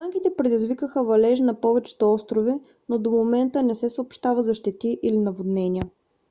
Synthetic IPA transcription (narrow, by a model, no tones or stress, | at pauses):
aŋkit̪ɛpɾɛd̪izvikəxəvɐlɛʒnɐpɔvɛt͡ʃɛ̥t̪oɔst̪ɾovi | nod̪omomɛnt̪ənɛsɛsəopʃt̪avəzɐʃt̪ɛt̪iʔilinɐvod̪nɛniə